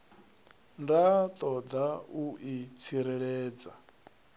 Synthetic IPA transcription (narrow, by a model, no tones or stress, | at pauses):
ndat̪ʼɔd̪auʔit͡sʰiɾɛɺɛːd͡za